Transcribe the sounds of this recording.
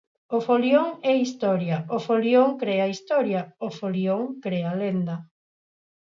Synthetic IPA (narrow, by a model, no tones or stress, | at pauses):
ofoljoŋɛist̪ɔɾjɐofoljoŋkɾɛɐist̪ɔɾjɐofolioŋkɾeɐlend̪ɐ